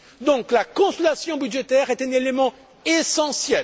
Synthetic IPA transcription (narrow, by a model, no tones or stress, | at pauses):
d̪ɔ̃klakɔ̃sɔlasjɔ̃byd̪ʒet̪ɛʁɛt̪ɛ̃nelemɑ̃ | esɑ̃sjɛl